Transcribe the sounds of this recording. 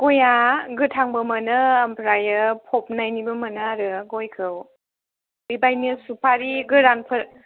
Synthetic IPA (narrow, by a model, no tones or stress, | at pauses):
ɡ̥ojaɡɯtʰaŋbɯmɯnɯampʰɾajɯpʰɔp̚najnibɯmɯnɯaɾɯɡojkʰɯw | bibajnɯsupʰaɾiɡɯɾanpʰɯɾ